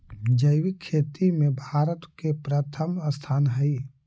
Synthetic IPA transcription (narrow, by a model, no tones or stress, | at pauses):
d͡ʒəɪwikʰːeːt̪imẽbʱaːɾət̪kepɾət̪ʰəməst̪ʰaːnɦəi